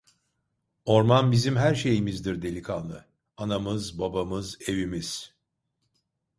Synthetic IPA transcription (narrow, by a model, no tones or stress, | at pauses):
o̞ɾmanbizimɦæɾʃe̞jimizd̪iɾd̪e̞lʲikʰanˠɯ | anamɯzbabamɯze̞vimiz̥